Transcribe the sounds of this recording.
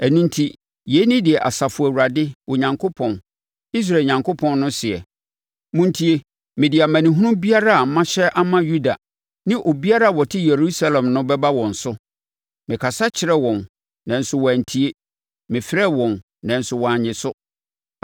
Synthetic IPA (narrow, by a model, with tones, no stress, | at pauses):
æ˨nũ˦ntʰi˦ | je˨˦nɪ̃˦dɪ˨ɛ˨ʔa̰˨sa˨fʊ˨æ˨u˨ɾa˨dɪ˦o˨ɲã˨ŋkʰo˦pʰɔ̃˨n | i˦s̬ɾa˨ɲã˨ŋkʰo˦pʰɔ̃˨nːʊ̃˦sɪ˨ɛ˨ | mũ˦n˦tʰi˦e˦ | mɪ̃˨dɪ˨a˨mæ̃˨nĩ˨ɦũ˦ʊ̃˦bi˦a˦ɾa˦a˨m̩˦mã˦ɕɛ˦ʔa˦mã˦ju˦da˨ | nɪ̃˦ʔo˨bi˦a˦ɾa˦˨wɔ˨tʰɪ˦je˨ɾu˦sa˦lɛ̃˨mnʊ̃˦bɛ˦ba˦wɔ̃˨n̩˨sʊ˦ | mɪ̃˨kʰa˨sa˦t͡ɕʰɪ˨ɾɛ˦wɔ̃˨n | nã˨n̩˦sʊ˦wɔ˨æ˨n̩˨tʰi˦e˦ | mɪ̃˨fɪ˦ɾɛ˦wɔ̃˨n | nã˨n̩˦sʊ˨wɔ˨a˨ɲɪ̃˨sʊ˦